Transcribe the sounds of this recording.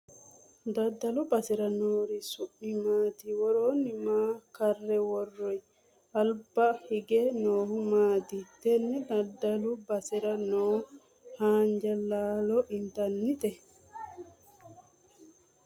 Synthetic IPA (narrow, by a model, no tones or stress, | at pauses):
d̪adːalubasɛɾanoːɾisuʔːimaːt̪iwɔɾoːnimaːkarːɛwɔrːɔj | albahiɡɛnɔːhumaːt̪it̪ɛnːɛd̪adːalubasiɾanɔː | haːɲd͡ʒalaːlɔʔint̪anːit̪ɛ